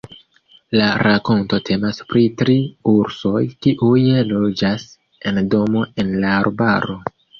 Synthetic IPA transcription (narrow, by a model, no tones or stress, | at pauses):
laɾʔako̞nto̞tʰe̞maspɾitɾiuɾso̞jkiʔujelo̞d͡ʒas | e̞ndo̞mo̞e̞nlaːɾbaɾo̞